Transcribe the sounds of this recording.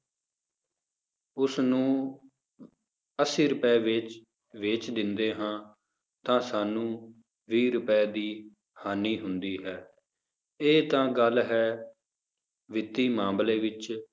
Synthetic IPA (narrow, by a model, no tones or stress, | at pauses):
ʊsnũː | əsiːɾʊpɛːʋɪt͡ʃ | ʋeːt͡ʃd̪ɪnd̪eːɦãː | t̪ãːsaːnũː | ʋiːɾʊpɛːd̪iː | haːniːɦʊnd̪iːɦɛː | eːt̪ãːɡəlɦɛː | ʋɪt̪ːiːmãːmbleːʋɪt͡ʃ